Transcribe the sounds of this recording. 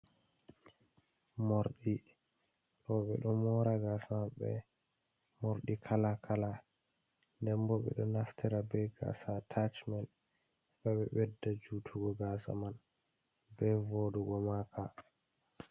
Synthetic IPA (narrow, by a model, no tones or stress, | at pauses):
moɾɗi | ɾɔɓɛ̰ɗɔmɔɾaɡasamaɓɛ̰ | moɾɗikʰalakʰala | ndɛmbɔɓɛ̰ɗɔnaftʰɛɾabɛɡa̰satʰat͡ʃman | kaɓɛ̰ɓɛdːad͡ʒutʰuɡɔɡasa̰man | bɛvoduɡɔmakʰa